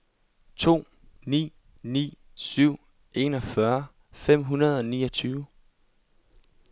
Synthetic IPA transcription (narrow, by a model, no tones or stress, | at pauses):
t͡sʰo̝̰ː | nḭː | nḭːsyʊ̰ | ʔe̝ːnɒ̽fɶɐ | fem̰ɦunɐð̞̩ˠɒ̽niːʌt͡sʰyːʊ